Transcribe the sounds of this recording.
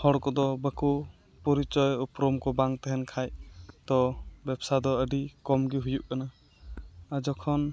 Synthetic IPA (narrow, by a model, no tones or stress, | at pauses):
hɔɽkɔd̪ɔbəku | pɔɾit͡ʃɔjɔpɾɔmkɔbaŋt̪ɛɦɛnkʰajt̪ɔbɛbsad̪ɔəɖikɔmɡiɦujuʔkanaː | d͡ʒɔkʰɔn